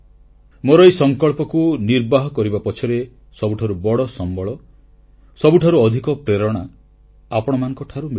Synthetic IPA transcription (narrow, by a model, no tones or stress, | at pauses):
moɾɔjsɔŋkɔɭpɔkuniɾbaɦɔkɔɾibapɔt͡ʃʰɔɾe | sɔbuʈʰaɾubɔɽɔsɔmbɔɭɔ | sɔbuʈʰaɾuɔd̪ʱikɔpɾeɾɔɽ̃a | apɔɽ̃ɔmanɔ̃ŋkɔʈʰaɾumi